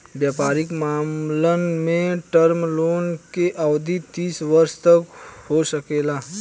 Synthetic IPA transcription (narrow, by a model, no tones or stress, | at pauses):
bjaːpaːɾɪkmaːmlənmẽʈəɾmloːnkeʔawd̪ʱit̪iːsʋəɾst̪əkhosəkeːlaː